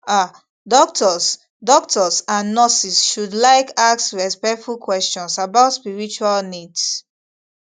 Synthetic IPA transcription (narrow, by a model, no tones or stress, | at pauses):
a | dɔk̚tʰɔs | dɔk̚tʰɔsãnːɔsisʃudlaɪkaksɹɛspɛk̚tfulkwɛst͡ʃɔ̃nsabaʊtspiɹit͡ʃualnids